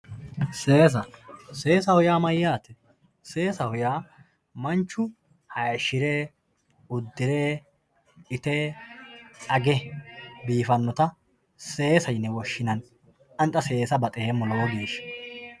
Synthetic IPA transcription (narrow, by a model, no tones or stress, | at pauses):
seːs̬ɐseːsɐhʊjaːmɐjːaːt̪ɛ | se̞ːsɐhʊjaː | mɐnt͡ʃːʊ | hɐjɐʃɪɾeː | ʊd̪ːɪɾeː | ɪt̪e | ɐɡɛbiːfɐnːɔt̪ɐ | se̞ːsɐjnːɛwɔʃːɪnɐn | ɐnt̪ʼːɐse̞ːsɐbɐt̪ʼeːmːɔloɡiːʃ